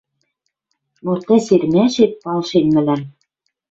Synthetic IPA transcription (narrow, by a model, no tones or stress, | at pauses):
mort̪ːæsermæʃet̪̚pɑlʃenmæ̆læm